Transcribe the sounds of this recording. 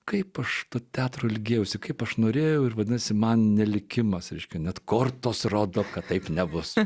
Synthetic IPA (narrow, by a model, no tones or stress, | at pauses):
kɐɪpɐʃt̪oːt̪ʲæːt̪ɾoːlʲɡʲeːjɛʊsʲɪkɐɪpɐʃnoːɾʲeːjɛʊɪrʋɐd̪ʲɪnɐsʲɪmɐnnʲɛlʲɪkʲɪmɐsɾʲɛɪʃʲkʲɛnʲɛt̪koːrt̪oːsroːd̪oːkɐtt̪ɐɪpnʲɛbʊs